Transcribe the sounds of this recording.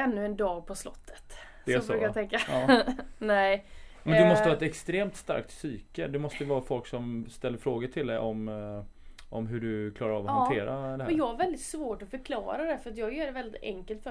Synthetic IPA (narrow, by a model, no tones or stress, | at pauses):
ɛnːɵɛnd̪ɑːɡ̚pʰɔslɔ̰t̪ʰːə̥t̪ | d̪ɛɔbʉːkajat̪ʰɛŋka | nɛɪmɛnd̪ɵmɔstəvɑːɛt̪ɛkst̪ɾeːmt̪st̪a̰ɾk̚t̪syːkəd̪ɛmɔst̪əvɑːɾafɔlksɔmst̪ɛlːəɾfɾoːɡəʈ̪ʰɪld̪ɛʔɔm | ʔɔmɦʉɖɵkʰlɑːɾaɾɑ̰ːvhant̪ʰeːɾad̪ɛhæjɑːɡhaɾvɛld̪ɪt̪svoːʈɔfœɾkʰlɑ̰ːɾad̪ɛfœɾat̪jɑːɡjœːɖɛvɛld̪ɪt̪ɛ̰ŋkəlt̪fœ